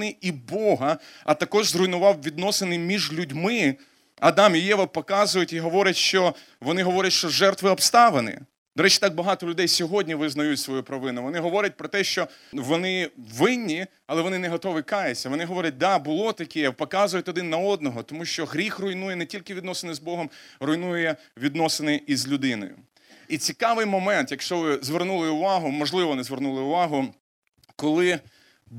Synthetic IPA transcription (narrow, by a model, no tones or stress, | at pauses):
nɪibɔɦɐɐ̰t̪ɐkɔʒzrʊjnʊʋɑwʋʲid̪nɔsenɪmʲiʒlʲʊdʲmɪ | ɐd̪ɑmjijɛʋɐpɔkɑzʊjʊtʲiɦɔʋɔɾʲɐtʲʃt͡ʃɔ | ʋɔnɪɦɔʋɔɾʲɐtʲʃt͡ʃɔʒɛrt̪ʋɪɔbst̪ɑʋenɪ̰ | d̪ɔɾɛt͡ʃi̥t̪ɑɡ̚bɐɦɑt̪ɔlʲʊd̪ɛjsʲɔɦɔdʲnʲiʋɪznɐjutʲsʋɔjupɾɐʋɪnʊʋɔn̪ɪɦɔʋɔɾʲɐt̚ʲpɾɔt̪ɛʃt͡ʃɔ | ʋɔnɪʋɪnʲːi | ɐlˠɛʋɔnɪnɛɦɔt̪ɔʋɪkɑjet͡sʲːɐʋɔnɪɦɔʋɔɾʲɐt̚ʲd̪ɑbʊlˠɔt̪ɐkʲɛjɛpɔkɑzʊjʊt̪ʲɔd̪ɪnːɐɔd̪̚nɔɦɔt̪ɔmuʃt͡ʃɔɦɾʲixrɔjnujɛnɛtʲilʲkɪʋʲid̪nɔsenɪzbɔɦɔmrɔjnujʊjɛ | ʋʲid̪nɔsenɪʔizʲlʲʊd̪ɪnɔ̰jʊ̰ | it͡sʲikɑʋɪjmɔmɛnt̪jɐkʃt͡ʃɔʋɪzʋernulˠɪʊʋɑɦʊmɔʒlˠɪʋɔʋɔnɪzʋernulˠɪʊʋɑɦʊ | kɔlˠɪ